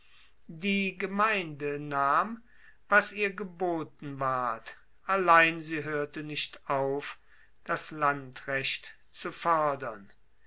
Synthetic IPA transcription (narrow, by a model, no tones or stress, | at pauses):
diːɡəmaɪndənaːm | vasiːɐɡəboːtn̩vaɐt | ʔalaɪnziːɦøːɐtənɪʃtʔaʊf | d̥aslantʁɛɕt | t͡sufɔɐdɐn